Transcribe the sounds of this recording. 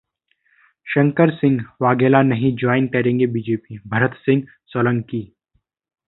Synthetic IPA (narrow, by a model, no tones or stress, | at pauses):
ʃɐ̃ŋkəɾsɪ̃ŋɡʋaːɡeːlanɐɦĩd͡ʒɔːɪnkɐɾẽːŋɡebiːd͡ʒeːpibʱɐɾət̪sɪ̃ŋɡ | sələ̃ŋkiː